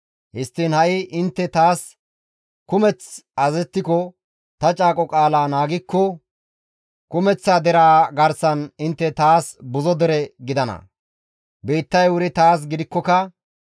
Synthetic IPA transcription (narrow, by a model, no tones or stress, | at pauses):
hɪst̪ːiːnhɐʔɪʔɪnt̪ːɛt̪aːs | kʊmɛt͡sɐzɛt̪ːɪkɔ | t̪ɐt͡ʃʼaːkʼɔkʼaːlaːnaːɡɪkːɔ | kʊmɛt͡sːaːd̪ɛɾaːɡɐɾsɐnɪnt̪ːɛt̪aːsbʊzɔd̪ɛɾɛɡɪd̪ɐnɐ̰ | be̞ːt̪ːɐjwʊɾɪt̪aːs̬ɡɪd̪ɪkːɔkɐ